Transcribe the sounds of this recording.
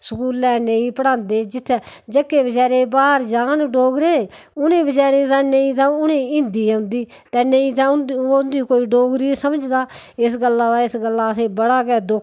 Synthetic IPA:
səkuːlːɛːnəĩːpəɽãːnd̪eːd͡ʒɪt̪ʰːd͡ʒəkːeːbəd͡ʒaːɾeːbaːɾd͡ʒaːnɖoːɡɾeːʊnẽːbəd͡ʒaːɾeːt̪ãːnəĩːt̪ãːʊnẽːɪ̃nd̪iːaʊ̃nd̪iː | t̪ɛːnəĩːt̪ãːʊnd̪oʊnd̪iːkoːiːɖoːɡɾiːsəməd͡ʒd̪aːɪs̬ɡəlːaːd̪aːɪsɡəlːaːəseːbəɽaːkɛːd̪ʊ

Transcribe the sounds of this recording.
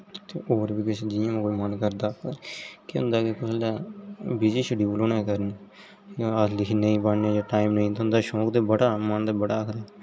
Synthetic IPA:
t̪eːʔoːɾbiːkɪsed͡ʒiãːmẽːkoːimənkəɾd̪aːkːkeʊ̰̃nd̪aːkekʊsəlːaːbiːd͡ʒiːʃəɖiːloːnẽːkəɾne | əlɪkʰinəĩːpaɳẽːd͡ʒaːʈaːiːmnəĩːt̪eɦʊ̃nd̪aːʃoːkd̪eːbəɽaːmənd̪aːbəɽaːəkʰd̪aː

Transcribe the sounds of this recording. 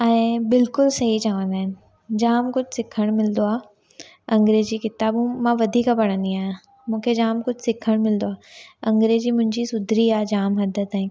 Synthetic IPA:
ɛ̃ːbɪlkʊlsɐɦit͡ɕaːʋə̃nd̪aːɦɪnɪ̆ | d͡ʑaːmkʊd͡ʑʱsɪkʰəɽ̃mɪlnd̪oaː | ɐ̃ŋɡɾeːd͡ʑiːkɪt̪aːbũmãʋɐd̪ʱiːkapɐɽ̃ə̃nd̪iaːjã | mũːkʰed͡ʑaːmkʊd͡ʑʱsɪkʰəɽ̃mɪlnd̪oaːɐ̃ŋɡɾed͡ʑiːmʊ̃ɦɪ̃ɲd͡ʑisʊd̪ʱɾiaːd͡ʑaːmɦɐd̪ʱət̪aĩ

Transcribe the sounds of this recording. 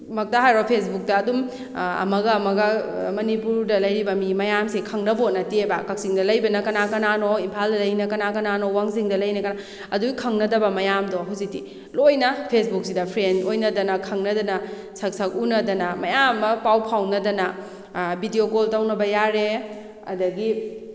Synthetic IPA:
mɐk̚tɐɦajɾopʰes̬buk̚dɐːdum | ɐ̰mɐɡɐːmɐɡɐmɐnipuɾdɐlɐjɾibɐmimɐjamsekʰɐŋnɐbot̚nɐtieba̰kɐk̚siŋdɐlɐjbɐnɐkɐnakɐnanoimpʰaldɐlɐjnɐkɐnakɐnanowaŋsiŋdɐlɐjnɐkɐna | ɐduɡikʰɐŋnɐdɐbɐmɐjamdoɦawzik̚tḭ | lojnɐpʰesbuk̚sidɐpʰɾensojnɐdɐnɐkʰɐŋnɐdɐnɐ | sɐk̚sɐk̚unɐdɐnɐmɐjamːɐpawpʰawnɐdɐnɐ | bidiokoltawnɐbɐjaɾe | ɐ̰dɐɡi

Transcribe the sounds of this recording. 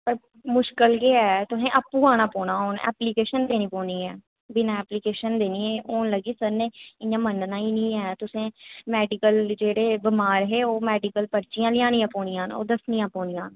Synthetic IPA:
pəɾ | mʊʃkəlɡeːɛːt̪ʊsẽːʔəpːuːaːnaːpoːnãːɦoːnɛ̰ːplikeːʃənd̪eːnĩːpõːniːɛː | bɪnãːɛːpliːkeːʃənd̪eːniːeːoːnləɡiːsəɾnẽːɪãːmənɖnãːiːnĩːɛːt̪ʊsẽːmɛːɖɪkəld͡ʒeːɽeːbɪmaːɾɦeːoːmɛːɖɪkəlpəɾt͡ʃɪjãːlɪjãːnĩːãːpoːnijãːno̰ːd̪əsniːjãːpõːnijãːn

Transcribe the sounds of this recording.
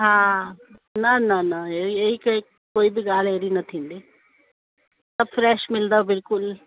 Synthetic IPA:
ɦãː | nɐnɐnɐeɾieikɐ | koːibʱiɡaːleɾinɐt̪ʰĩːnd̪eː | sɐbfɾeːʃmɪld̪abɪlkʊl

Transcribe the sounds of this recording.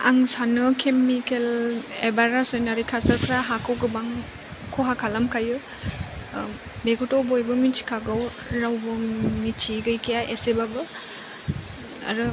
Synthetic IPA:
a̰ŋsanɯkʰemikelebaɾasenaɾikʰasəɾkʰɾaɦakʰɔwɡɯbaŋ | kʰoɦakʰalamkʰajɯ | beɡutobojbɯmit͡ʃi̥kʰaɡaw | ɾawbɯmit͡ʃiɡɯjkʰijaʔesebabɯ | a̰ɾɯ

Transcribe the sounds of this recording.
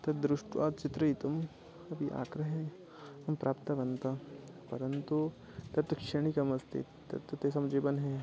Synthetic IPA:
t̪ɐd̪ɾʊʂʈʋa̰ːt͡ʃɪt̪ɾɐit̪ɐm | ɐbʱiʔa̰ːkɾɐɦẽ | ɐmpɾʔaːpt̪ɐʋɐnt̪a | pɐɾɐnt̪u | t̪ɐɾt̪ukʃeɽ̃ikɐmɐst̪ʰḭ | t̪ɐ̰ɾt̪ut̪esɐmd͡ʒeːbɐnɦɛː

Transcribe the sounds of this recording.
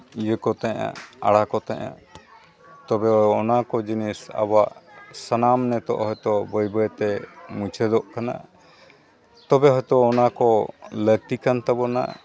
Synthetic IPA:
ijəkɔt̪ɛʔa̰aɽakɔt̪ɛʔa̰ | t̪ɔbɛɔnakɔd͡ʒinisa̰baʔsanamnɛt̪ɔ̰ʔɦɔjt̪ɔbəjbəjt̪ɛmut͡ʃʰɛd̪ɔʔkana̰ | t̪ɔbɛɦɔjt̪ɔːnakɔlək̚t̪ikant̪abɔna̰

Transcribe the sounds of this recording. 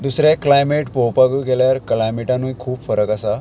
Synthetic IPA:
d̪usɾeklajmeʈpowpaɡuːɡeljaɾklajmeʈãnujkʰuːpfəɾəkasa

